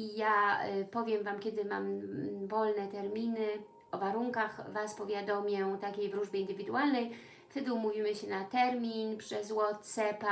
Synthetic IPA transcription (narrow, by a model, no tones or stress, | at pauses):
ijapɔvʲjɛmvamkʲɛd̪ɘma̰mvɔlnɛt̪ɛɾmʲinɘ | ɔvaɾuŋkaxvaspɔvʲjad̪ɔmʲjɛt̪akʲejvɾuʐbʲjɛind̪ɘvʲid̪uwalnɛj | ft̪ɛd̪ɘumuvʲimɘɕɛnat̪ɛɾmʲinpʂɛzwɔt̪sɛpa